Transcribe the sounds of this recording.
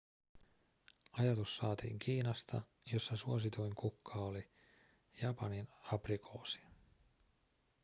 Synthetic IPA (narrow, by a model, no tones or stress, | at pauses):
ɑjɑt̪usːɑːt̪ḭːŋkʰiːnɑst̪ɑ̰ | jo̞sːɑsuosit̪ujŋkukːɑoli | jɑpɑninɑprikʰo̞ːsi̥